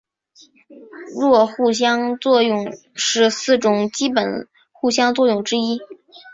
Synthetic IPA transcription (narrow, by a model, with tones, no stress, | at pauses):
ɻwɔ˥˧xu˥˩ɕ̬jɑ˥ŋt͡swɔ˥˧jʊ˥˩˧ŋ | ʂɻ̩˥˧sɹ̩˥˩ʈ͡ʂʊ˨˩ŋt͡ɕi˥pə˨˩n | xu˥˩ɕjɑ˥ŋt͡swɔ˥˧jʊ˥˩ŋʈ͡ʂɻ̩˥i˥